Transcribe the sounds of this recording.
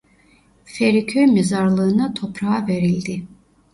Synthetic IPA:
fɛɾikʲʰømɛzaɾlˠɯːnat̪ʰɔpʰɾaːveɾilʲd̪i

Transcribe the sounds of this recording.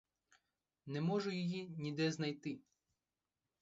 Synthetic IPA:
nɛmɔʒʊjɪjinʲid̪ɛznɐjt̪ɪ

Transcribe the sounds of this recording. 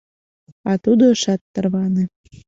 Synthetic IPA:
ɑt̪ud̪oəʃɑt̪ːərβɑne

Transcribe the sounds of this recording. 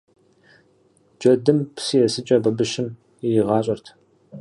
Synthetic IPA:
d͡ʒɐdɨmpsijɛsɨt͡ʃʼɐbɐbɨʃɪm | ɛjɪʁɑːɕʼɐrtʰ

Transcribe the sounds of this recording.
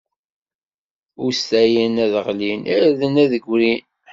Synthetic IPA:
ʊɾst̪æjinæðəʁlinʔiðənæðəɡʷɾin

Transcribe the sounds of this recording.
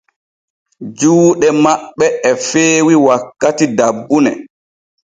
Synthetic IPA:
d͡ʒuːɗɛmaɓːɛɛfeːwiwakːatidabːunɛ̰

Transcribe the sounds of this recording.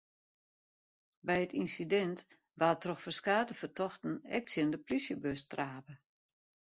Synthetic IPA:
bɛjətinsidɛnt | ʋatrɔxfərskaːtəfərtʰɔxtn̩ɛ̰k̚tsjəndəplisjəbøstraːpə

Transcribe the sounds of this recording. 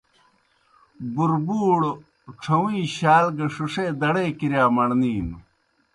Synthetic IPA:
buɾbuːɽ | ʈ͡ʂʰɐwiːɕaːlɡɐʂuʂeːd̪ɐɽeːkiɾjaːmɐɳniːn

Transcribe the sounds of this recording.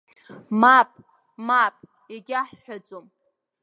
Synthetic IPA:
mapʼ | mapʼ | eɡʲaħːʷat͡sʷʼom

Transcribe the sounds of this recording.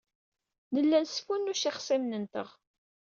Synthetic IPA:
nəlːænsfunːʊʃiχsimnənt̪əʁ

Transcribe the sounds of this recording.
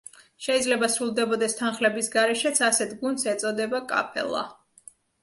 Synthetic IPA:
ʃɛid̪zlɛbasɾulˠd̪ɛbɔd̪ɛst̪ʰanχlɛbisɡaɾɛʃɛt̪sʰasɛt̪ʰɡund̪sɛt̪sʼɔd̪ɛbakʼa̰pʰɛ̰lˠa̰

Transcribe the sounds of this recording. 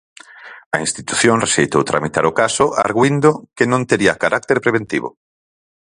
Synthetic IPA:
ɐinst̪it̪u̥θjõŋreʃejt̪owt̪ɾa̰mit̪aɾʊkasʊʔa̰ɾɣwind̪okenõnt̪eɾiakaɾʔak̚t̪eɾpɾeβ̞ent̪iβʊ̰

